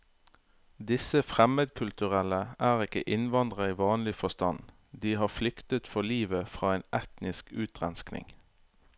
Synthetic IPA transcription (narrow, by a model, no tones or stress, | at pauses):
d̪ɪsəfʁɛməd̪kʰʉlt̪ʉʁɛləʔæːʁɪkə̰ʔɪnʋɑnd̪ʁəiːʋɑːnlɪfɔst̪ɑn | d̪iːhɑːflʏkt̪ət̪fɔliːʋəfʁɑːeːnɛt̪nɪskʉːt̪ʁɛnsknɪ̰ŋ